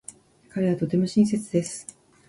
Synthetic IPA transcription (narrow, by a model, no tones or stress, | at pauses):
kaɾe̞β̞at̪o̞t̪e̞mo̞ɕĩɰ̃s̬e̞t͡sɨd̪e̞sɨ̥